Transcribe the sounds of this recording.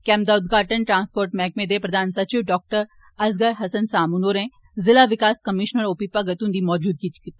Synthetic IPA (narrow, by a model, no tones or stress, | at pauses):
kɛːmd̪aːʊd̪ɡʱaːʈənʈɾãːnspoːɾʈmɛ̃k̚mẽd̪epɾɐd̪ʱaːnsɐt͡ʃiʋɖɔːk̚ʈəɾ | ɐzɡəɾɦɐsənsaːmunoːɾɛ̃ | zɪlaʋɪkaːskɐmɪʃnəɾoːpiːpaɡɐt̪ũːnd̪imɔːd͡ʒuːd̪̚kit͡ʃk